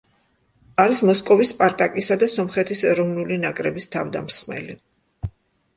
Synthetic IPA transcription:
aɾismɔskʼɔvispʼaɾt̪ʼakʼisad̪asɔmχɛt̪ʰisɛɾɔvnulinakʼɾɛbist̪ʰavd̪a̰msχmɛ̰li

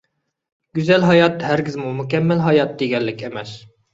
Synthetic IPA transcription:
ɡ̥ʲyzɛlɦɑjɑt̪ɦæɾɡʲizmumukʲɛmːɪlɦɑjɑt̪̚d̪eɡʲɛlːɪkʲemɛs

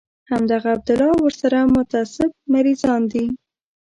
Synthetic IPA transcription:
hamd̪aɣaːb̚d̪ʊlɑwəɾsaɾamʊt̪asɪb̚maɾizɑnd̪i

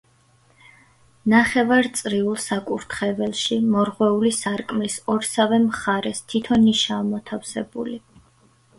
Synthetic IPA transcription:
naχɛvaɾt̪sʼɾiulˠsakʼuɾt̪ʰχɛvɛlˠʃimɔɾʁwɛulisaɾkʼmlisɔɾsavɛmχaɾɛst̪ʰit̪ʰɔniʃaːmɔt̪ʰafsɛbṵli

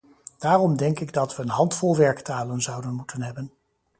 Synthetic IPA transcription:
d̥aːrɔmdɛŋkɪɡ̚dɑtʋəːnɦɑntfɔlˠʋɛɹktaːlənzɑwdənmutənɦɛbən

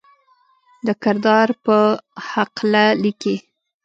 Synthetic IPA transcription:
d̪əkɪɾd̪ɑɾpəhaqlaliki

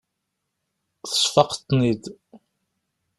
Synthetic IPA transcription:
θə̥sˤfɑqt̪ˤːnid̪

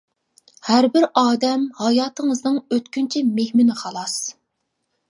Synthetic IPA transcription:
hæɾbɪɾɑːd̪ɛmhɑjɑːt̪ʰɨŋəznɨŋøt̪kʲynt͡ʃʰɛmehmɪnɪχɑlˠɑs

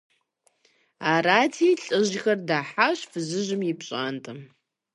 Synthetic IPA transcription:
aːraːtʰiːɬʼɨʑxɐrdaːħaɕfɨzɨʒɪmjɪpʰɕʼaːntʼɐm

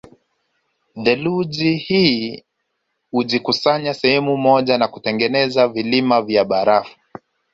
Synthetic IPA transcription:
ðɛluʄihiː | huʄikusaɲasɛhɛmumɔʄanakutɛŋɡɛnɛzavilimavjaɓaɾafu̥

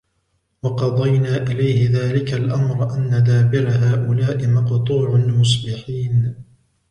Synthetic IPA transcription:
wɑqɑðˤɑjnaːʔɪlajhɪðaːlɪkalʔamɾˤʔanːad̪aːbɪɾaɦaːʔʊlaːʔɪmɑqt̪ˤuːʕʊnmʊs̬bɪħiːn

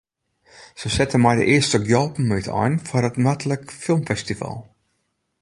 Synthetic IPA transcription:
səsɛtənmɛjdə̰ʔɪəstəɡjɔlˠpn̩mytɔ̰jnfɔrətmatələkfɪlˠmfɛstiva̰lˠ

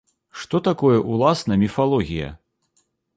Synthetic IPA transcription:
ʂt̪ɔt̪akɔjɐʔulˠasnɐmʲifalˠɔɣʲijɐ̰

